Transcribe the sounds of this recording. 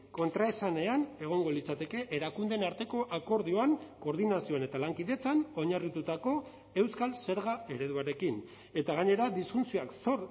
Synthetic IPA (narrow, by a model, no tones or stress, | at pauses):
ko̞nt̪ɾaesane̞ane̞ɣ̞o̞ŋɡo̞lit͡sat̪e̞ke̞ʔeɾakund̪e̞naɾt̪e̞ko̞ʔako̞ɾðio̞aŋko̞ɾðinasio̞ane̞t̪alaŋkiðe̞t͡sano̞ɲarit̪ut̪ako̞ | e̞wskalse̞ɾɣae̞ɾe̞ðuaɾe̞kin | e̞t̪aɣaɲe̞ɾad̪isfunt͡sioakso̞ɾ